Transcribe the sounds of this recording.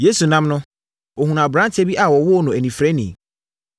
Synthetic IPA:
je˦su˨nã˦mnʊ̃˦ | o˨ɦũ˨nã˨bɾã˦ntʰe˦bi˦ʔa˨wɔ˨wɔ˦nʊ̃˨æ˨nĩ˨fɾɛ˦nḭ̃˨

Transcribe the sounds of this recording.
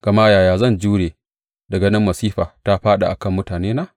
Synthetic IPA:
ɡ̥ɐ˨maː˦jaː˨jaː˨zɐ˦˨nd͡ʒuː˦ɽeː˨ | dɐ˨ɡɐ˦nɪ˦mːɐ˨siː˦ɸaː˨ta˦ɸaː˦ɗa̰˨ʔa̰˨kɐ˦˨mːʊ˦taː˨neː˦naː˦

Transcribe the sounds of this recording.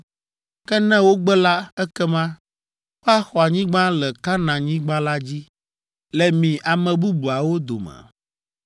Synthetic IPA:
kɛ˦nɛ̃˦wo˦ɡ͡bɛ˦la˦ɛ˦kɛ˦mã˦ | ɸa˦xɔ˨a˨ɲĩ˦ɡ͡bã˦lɛ˨ka˦nã˨ɲĩ˦ɡ͡bã˦la˦d͡ʑi˦ | lɛ˨mĩ˨ʔa˨mɛ̃˨bu˦bu˨a˨wo˦d̪o̰˨mɛ̰̃˨

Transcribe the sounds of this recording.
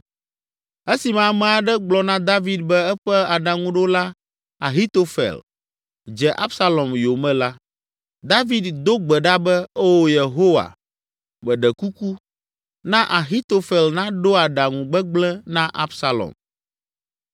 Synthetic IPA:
ɛ˦si˨mã˨mɛ̃˨a˨ɖɛ˦ɡ͡blɔ˨nã˦d̪a˦vi˨d̪̚bɛ˦ɛ˦ɸɛ˦a˨ɖa˨ŋũ˦ɖo˦la˦ | a˨ɦi˦t̪o˦fɛ̰˨l | d͡ʒɛ˨ʔa˦bsa˦lɔ˨mjo˨mɛ̃˦la˦ | d̪a˦vi˦d̪d̪o˦ɡ͡bɛ˨ɖa˦bɛ˦o˦wo˦je˨ɦo˦wa̰˨ | mɛ̃˨ɖɛ˨ku˦ku˦ | nã˦ʔa˨ɦi˦t̪o˦fɛ˨lnã˦ɖo˦a˨ɖa˨ŋũ˨ɡ͡bɛ˦ɡ͡blɛ˦nã˦ʔa˦bsa˦lɔ̰˨m

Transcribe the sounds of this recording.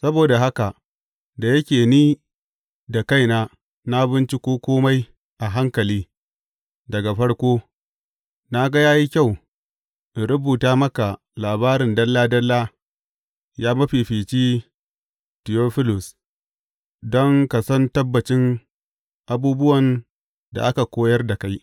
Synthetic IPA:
sɐ˦boː˨da˨ɦa˦ka˨ | da˨jɐ˦kʲeː˨niː˦ | da˨ka˦˨jnaː˦ | na˦bɪ˦nt͡ʃi˦kʷoː˦kʷoː˦ma˦j | ʔa˨ɦa˦ŋkɐ˨liː˦ | dɐ˨ɡa˨ɸɐ˦ɽkʷoː˦ | na˦ɡɐ˦jaː˦ji˦kʲa˦˨w | ʔɽʊ˦buː˨taː˦mɐ˦ka˨ | laː˨baː˦ɾɪ˨ndɐ˦lːaː˦dɐ˦lːa˦ | jaː˦mɐ˦ɸiː˨ɸiː˨t͡ʃiː˦ | tɪ˨joː˦ɸɪ˦lʊ˨s | dɔ˦ŋka˨sɐ˦ntɐ˦bːɐ˨t͡ʃɪ˦ŋ | ʔa˨buː˦bʊ˦wɐ˨n | da̰˨ʔa˦ka˨kʷoː˦jɐ˦rda˨ka˦j

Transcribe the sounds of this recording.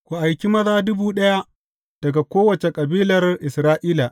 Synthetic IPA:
kʷu˨ʔa˨jkʲi˦mɐ˦zaː˦dʊ˦buː˦ɗɐ˦ja˦ʔ | d̥ɐ˨ɡa˨kʷoː˦wɐ˨t͡ʃe˨kʼɐ˨biː˦lɐ˨rʔɪ˨sɾaː˦ʔiː˦la˨ʔ

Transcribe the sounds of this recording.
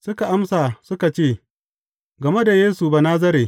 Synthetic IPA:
sʊ˦ka˨ʔa˦msaː˨sʊ˦ka˨t͡ʃeː˦˨ | ɡɐ˨me˦da˨jeː˦su˨ba˨naː˦z̬ɐ˦ɾeː˨

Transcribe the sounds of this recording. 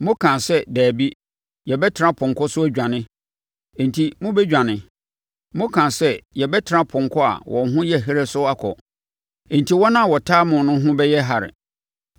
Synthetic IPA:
mʊ̃˦kʰã˨sɛ˦dæː˨bi˦ | jɛ˨bɛ˦tʰɪ˨ɾã˦pʰʊ̃˨ŋ˨kʰʊ˦sʊ˦æ˦d͡ʑᶣã˨nɪ̃˦ | ẽ˨n˨tʰi˨mʊ̃˦bɛ˦d͡ʑᶣã˨nɪ̃˨ | mʊ̃˦kʰã˨sɛ˦jɛ˨bɛ˦tʰɪ˨ɾã˦pʰʊ̃˨ŋkʰɔ˦a̰˨wʔɔ̰̃˨n˨ɦʊ̃˦jɛ˦˨ɦe˦ɾe˦sʊ˦a˦kʰɔ̰˨ | ẽ˨n˨tʰi˨wɔ˦nã˦˨wɔ˨tʰaː˦mʊ̃˨nʊ̃˦ɦʊ̃˦bɛ˦jɛ˦ɦa˨ɾɪ̰˨

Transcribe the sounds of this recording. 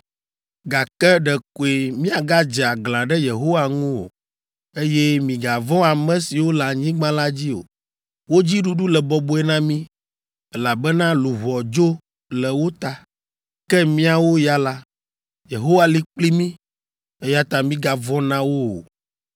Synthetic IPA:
ɡa˨kɛ˦ɖɛ˨ko˨e˨mĩ˦a˨ɡa˦d͡ʒɛ˨a˨ɡl̃ã˨ɖɛ˦je˨ɦo˦wa˨ŋũ˦o̰˨ | e˦jɛ˦mĩ˨ɡa˨vɔ̃˦a˨mɛ̃˦si˨wo˦la˨ɲĩ˦ɡ͡bã˦la˦d͡ʑi˦o̰˨ | wo˦d͡ʑi˦ɖu˦ɖu˦lɛ˨bɔ˨bo˦ɛ˦nã˦mĩ˦ | ɛ˦la˨bɛ˦nã˦lu˨ɦɔ˨d͡ʒo˦ | lɛ˨wo˦t̪a˨ | kɛ˦mĩ˦a˨wo˦ja˦la˦ | je˨ɦo˦wa˦˨li˦k͡pli˦mĩ˦ | e˦ja˦t̪a˨mĩ˦ɡa˨vɔ̃˦nã˦wo˦o̰˨

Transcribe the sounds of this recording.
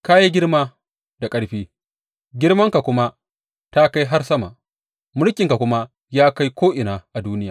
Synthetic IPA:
ka˦ji˦ɡʲɪ˦ɽmaː˦ | da˨kʼɐ˦ɽɸiː˦ | ɡʲɪ˦ɽmɐ˦ŋka˨kʷʊ˦ma˦ | ta˦ka˦jɦa˦rsɐ˦ma˨ʔ | mʊ˦lkʲɪ˨ŋka˨kʷʊ˦ma˦ | jaː˦ka˦jkʷoː˦ʔɪ˨naː˨ʔa˨duː˦nɪ˦jaː˨

